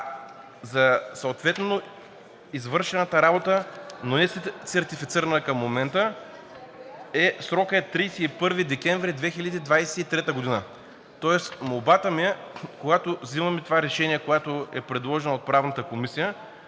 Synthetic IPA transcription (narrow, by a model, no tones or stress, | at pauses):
zɐsɐot̪vɛt̪ɛno | izvɤɾʃɛnət̪əɾabot̪ənonɛsɛsɛɾt̪ifit̪siɾənəkɐmːomɛnt̪ə | ɛsɾɔkəɛt̪ːɾijsɛipɤɾvid̪ɛkʲɛɱvɾid̪vɛxilʲɛd̪iːd̪vajsɛit̪ɾɛt̪əɡod̪inə | t̪ɔɛsmolˠbat̪əmiɛkoɡat̪ovzimɐmit̪ovaɾɛʃɛniɛkojat̪oɛpɾɛd̪lˠɔʒɛnɐot̪̚pɾavnət̪əkomisijə